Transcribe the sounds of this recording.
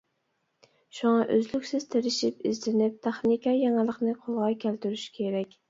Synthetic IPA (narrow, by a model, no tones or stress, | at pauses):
ʃuŋɑʔøzlykʲsɪz̥t̪ʰeɾɪʃipɪzd̪ɪnɪp̚t̪ʰæχnikʲɑjɑŋɨlˠəqnɪqʰolˠʁɑkʲʰælt̪yɾyʃkʲʰeɾɛkʲ